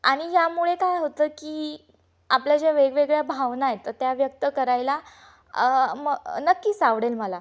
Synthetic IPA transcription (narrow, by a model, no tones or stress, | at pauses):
aɽ̃ijamuɭekajɦot̪əːkiː | apljad͡ʑeʋeɡʋeɡɭjabʱaʋnajet̪ːət̪jaʋjək̚t̪əkəɾajla | məɡnəkːiːsaʋɽelməla